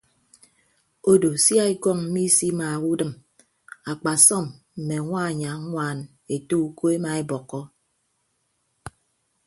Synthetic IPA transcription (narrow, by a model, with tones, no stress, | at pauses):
o˦do˨sja˦e˦kɔ˦˨ŋm̩˦mi˦si˦ma˨wu˦dɨ˦˨m | a˨k͡pa˨sɔ˦˨m | m̩˨me˨ŋʷa˦˨ɲa˨˦ŋʷaː˦˨n | e˨tu˦u˨ko˦e˦ma˨e˦bɔ˨kːɔ˦